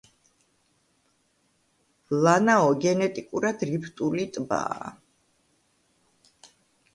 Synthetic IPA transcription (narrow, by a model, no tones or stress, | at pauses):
lanaɔɡɛnɛt̪ʼikʼuɾad̪̥ɾipʰt̪ʼulit̪ʼba̰ː